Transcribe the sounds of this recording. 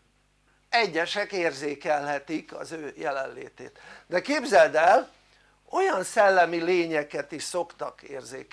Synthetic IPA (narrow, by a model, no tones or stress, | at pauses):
ɛɟːɛʃɛkeːrzeːkɛlɦɛt̪ikɒ̰zøːjɛlɛnlḛːt̪ḛːt̪d̪ɛkeːbzɛld̪ɛl | o̞jɒnsɛlːɛmileːɲɛkɛt̪iʃso̞kt̪ɒkḛːrzeːk